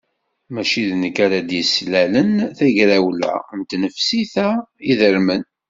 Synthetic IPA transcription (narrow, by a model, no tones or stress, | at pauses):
mæʃiðnəkaɾad̪jəslælənθæʝɾæwlæ̰nt̪nəfsiθæiðəɾmən